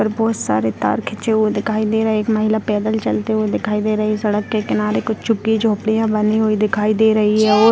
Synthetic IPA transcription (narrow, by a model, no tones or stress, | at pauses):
əɾbɔːt̪sa̰ːɾet̪a̰ːɾkʰɪt͡ʃeɦued̪ɪkʰaːid̪eːɾɐɦeeːkmaɦɪlapɛːd̪əlt͡ʃɐlt̪eɦued̪ɪkʰaːid̪eːɾɐɦisɐɽəkːekɪnaːɾekʊt͡ʃʰt͡ʃʊkːid͡ʒoːpɽijãbɐniɦoid̪ɪkʰaːid̪eːɾɐɦiɦɛːɔː